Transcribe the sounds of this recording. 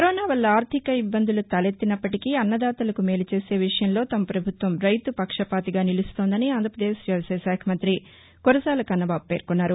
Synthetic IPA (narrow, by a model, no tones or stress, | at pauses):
kɐɾɔːnaːʋɐlːɐaːɾt̪ʰikɐibːɐnd̪ulut̪ɐlet̪ːinɐpːɐʈikiɐnːɐd̪aːt̪ɐlɐkume̞ːlut͡ʃe̞ːse̞ːʋiʂɐjɐmlo̞ːt̪ɐmɐpɾɐbʱut̪ʋɐmɾɐjt̪upɐkʂɐpaːt̪iɡaːnilist̪o̞ːnd̪ɐniaːnd̪ʱɾɐpɾɐd̪eːsd͡ʒɐʋɐsɐʃaːkʰɐmɐnt̪ɾi | koɾɐsaːlɐkɐnːɐbaːbpe̞ːɾkunːaːɾu